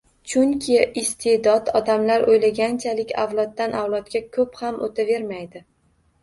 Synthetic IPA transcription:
t͡ʃʰʊŋkʲʰɪɪst̪ʰed̪ɒd̪ɒd̪amlaɾojlaɡʲant͡ʃʰalɪkʲa̰wlˠɒt̪̚ːanʔawlˠɒt̪̚ɡʲakʰɵphamʔot̪ʰave̞ɾmajd̪ɪ

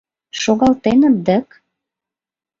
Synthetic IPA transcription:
ʃoɣɑlt̪enə̆d̪ə̆k

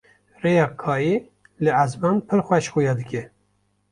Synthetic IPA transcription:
rejɑːkʰɑːji | lɨazbɑːnpʰɨɾxʷɛʃxujɑːd̪ɨkʲɛ

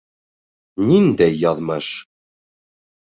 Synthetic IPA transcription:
nind̪æjɑðˤmæʃ

